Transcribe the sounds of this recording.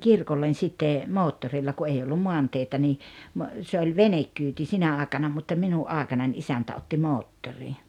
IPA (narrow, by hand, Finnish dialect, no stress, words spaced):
kirkolːen sitːe moːtːorilːɑ ku ei olːum moɑnteitæ niː mo se olʲ ʋenekːyːti sinæ ɑːĕkɑnɑ mutːɑ minuʔ ʔɑːĕkɑnɑnʲ isæntæ otːi moːtːori